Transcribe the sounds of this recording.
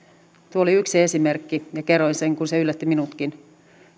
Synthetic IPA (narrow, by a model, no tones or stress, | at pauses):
t̪uooliyksie̞simerkːijɑkeroinseŋkunseylːæt̪ːiminut̪kin